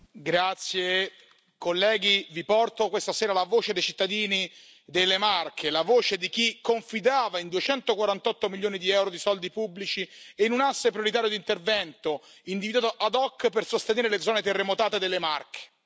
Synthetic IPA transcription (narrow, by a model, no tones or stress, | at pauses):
ɡɾat̪sːje | kolːɛːɡivipɔrt̪okwest̪aseːɾalavoːt͡ʃed̪ejt͡ʃit̪ːad̪iːni | d̪elːemarkʰelavoːt͡ʃed̪ik̟ikːoɱfid̪aːvaind̪uet͡ʃɛnt̪okwaɾant̪ɔt̪ːomiljoːnid̪iɛwɾod̪isɔld̪ipubːlit͡ʃieinunasːepɾjoɾit̪̬aːɾjod̪int̪ervɛnt̪oind̪ivid̪at̪oʔad̪ɔkːpersost̪eneːɾeled̪zɔːnet̪erːemot̪aːt̪ed̪elːemarkʰe̥